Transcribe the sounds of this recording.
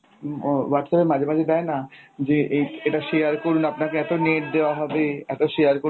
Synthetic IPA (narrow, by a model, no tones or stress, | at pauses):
waɾʈsɛpemad͡ʑʱemad͡ʑʱed̪ɛenad͡ʑeʔejeʈaʃejaɾkoɾunapnakeɛt̪oneʈ̚d̪eoaɦɔbeɛt̪oʃejaɾko